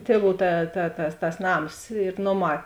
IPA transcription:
ˈtʲiɛˌʋuː ˈtɐ tɐ tɐs tɐs ˈnɐms ɪr ˈnoːˌmɑː

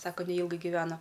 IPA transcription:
ˈsɑːkɐ nʲɛˈiːlˠɡɐɪ ɡʲɪˈʋʲæːnɐ

